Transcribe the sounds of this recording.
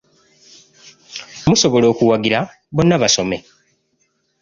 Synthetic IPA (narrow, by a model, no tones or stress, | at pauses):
muso̞βo̞lo̞ːkuwaɡiɾa | bo̞nːaβaso̞me̞